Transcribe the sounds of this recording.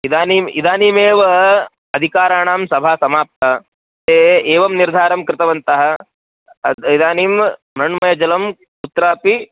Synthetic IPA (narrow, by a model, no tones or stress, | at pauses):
id̪aːniːmḭd̪aːniːmeːʋɐ | ɐd̪ʱikaːɾaːɳaːmsɐbʱaːsɐmaːp̚t̪ɐ | t̪eːeːʋɐmniɾd̪ʱaːɾɐmkɾɪt̪ɐʋɐnt̪ɐɦɐ̆ | id̪aːniːmː | ɾɐɳmɐjɐd͡ʒɐlɐm | ut̪ːɾaːpi